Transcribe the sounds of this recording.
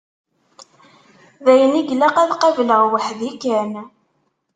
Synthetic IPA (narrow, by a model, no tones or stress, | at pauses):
ðæjəniɡlæqæðqɑvləʁwəħðikæn